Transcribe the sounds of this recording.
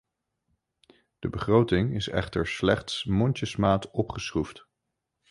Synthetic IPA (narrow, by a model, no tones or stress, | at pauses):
d̥əbəχrowtɪŋɪsɛ̰χtəɹslɛχtsmɔnt͡ʃəsmaːtɔpχəsruft